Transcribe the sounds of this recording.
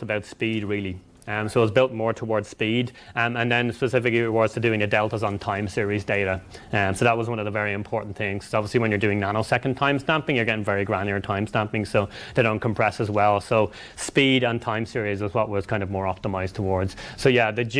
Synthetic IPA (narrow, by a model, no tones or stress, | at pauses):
səbaʊtspidɹɪlˠi | soʊwəzbɪlˠt̚mɔːɹtʰəwɔɹdz̥spidə̃nðə̃nspəsɪfɪkliwɔɹdz̥tʰədʉɪ̃ŋɨdɛlˠtəzn̩tʰãɪ̃msɪɹizdeɪɾəsoʊðət̚wʌzwʌ̃nʌvðəvɛɹiɨ̃mpʰɔɹʔn̩θɪ̃ŋʰzɑbviəsliwə̃njə˞dʉɪ̃ŋnanoʊsɛkə̃n̩tʰãɪ̃mstãmpɪ̃ŋjə˞ɡɛɾɪ̃ŋvɛɹiɡɹãnə˞tʰãɪ̃mstãmpɪ̃ŋsoʊðeɪɾõʊ̃nkʰə̃mpʰɹ̥ɛsəzwɛlˠsoʊ | spiɾn̩tʰãɪ̃msɪɹizwʌzwʌʔ̚wʌz̥kʰãɪ̃ndʌvmɔːɹɑp̚təmaɪz̥tʰəwɔɹdz̥soʊjæðɨd͡ʒ